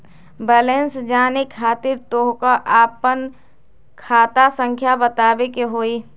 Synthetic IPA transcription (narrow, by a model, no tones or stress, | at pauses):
bɛːlẽnsd͡ʒaːnekʰːaːt̪ɪɾt̪oːɦkaʔaːpən | kʰaːt̪asə̃ŋkʰjabət̪aːbekeɦoːiː